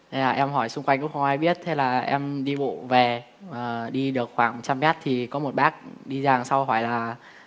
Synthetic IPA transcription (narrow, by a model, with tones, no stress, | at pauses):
zaː˨˩ʔɛ˧mɦɔ˧˩jsʊ˧ŋ͡mkwa˧jŋkʊ̰˧˥ŋ͡mxə˧wŋ͡mʔaː˧jɓi˦˥ət̚t̪ʰe˧laː˨˩ʔɛ̰˧mɗi˧ɓo̰˧˨ve˨˩ | aəː˨˩ɗi˧ɗɨ˨˩ək̚xwaː˧˩ŋt͡ɕa˧mmɛ˦˥t̚t̪ʰi˨˩kɔ˨˦mo˨˩t̚ɓaː˦˥k̚ɗi˧zaː˨˩ŋsa˧wɦɔ˧˩jlaː˨˩